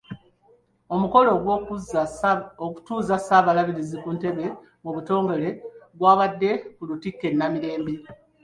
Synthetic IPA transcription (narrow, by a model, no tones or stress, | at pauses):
o̞muko̞loɡ | oku̥tuːzasaːβalaβiɾizikunte̞βe̞ | muβuto̞ːŋɡe̞le̞ɡwaːβadːe̞kulutikːe̞nːamiɾe̞ːmbe